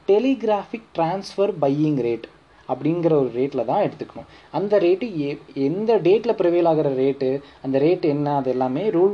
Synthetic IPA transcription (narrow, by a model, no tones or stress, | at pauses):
ʈɛliɡɾaːfɪk̚ʈɾaːnsfɐɾbɐjɪŋɡɾeːʈ | ɐpːɐɽɪnɡɪɾɐɔɾɯɾeːʈːɪlɐt̪ãːɛɽɯt̪ːɯkːɐɳʊ̃ | ɐnd̪ɐɾeːʈːɯɛnd̪ɐɖeːʈːɪlɐpɪɾɐʋeːlaːɣɪɾɐɾeːʈːɯɐnd̪ɐɾeːʈːɛnːɐɐðɛlːaːmeːɾuːl